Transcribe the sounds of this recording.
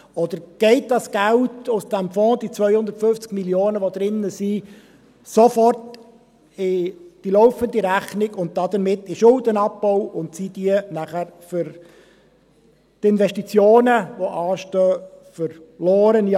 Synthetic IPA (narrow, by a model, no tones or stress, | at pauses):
ɔd̥̪əɾɡ̥ɛɪt̚dɑsɡ̥æltʊsd̥æmfɔ̃ːd̥̪it͡sʋœjhʊnd̪əɾtfʏft͡skmiljoːnəʋod̥̪ɾɪnːəsi | sofɔrt | ɪd̥ilɔʊfənd̪iɾæχnɪɡʊnt̚d̥ɑd̪əɾmɪtːɪʃʊld̪ənɑpːɔwʊntsid̥iənæχæɾfʏɾ | tɪnʋɛʃtit͡sjoːnəʋoʔɑːʃtøːfəɾlɔːɾənj